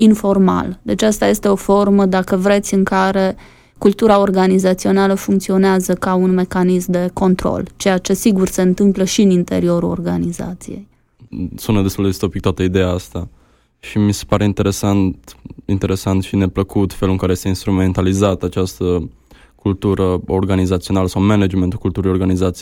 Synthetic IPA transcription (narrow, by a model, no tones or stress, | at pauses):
info̞rma̰ld̪e̞t͡ʃast̪aje̞st̪e̞o̞fo̞rməd̪akəvɾe̞t̪sʲɨŋkaɾe̞ | kult̪uɾao̞rɡanizat̪sio̞naləfuŋkt̪sio̞neazəkaunme̞kanismd̪e̞ko̞nt̪ɾo̞̰lt͡ʃe̞jat͡ʃe̞siɡurse̞ɨnt̪ɨmpləʃiɨnint̪e̞̰ɾio̞ɾulo̰rɡa̰niza̰t̪sḭje̞̰j | sunəd̪est̪uld̪est̪o̞pik̚t̪oat̪əid̪ejaast̪a | ʃimise̥paɾe̞int̪e̞ɾe̞sant̪int̪e̞ɾe̞sant̪ʃine̞pləkut̪feluɨŋkaɾejest̪einst̪ɾument̪alizat̪at͡ʃast̪ə | kult̪uɾəorɡanizat̪sio̞naləsawmened͡ʒment̪ukult̪uɾijo̞rɡanizat̪si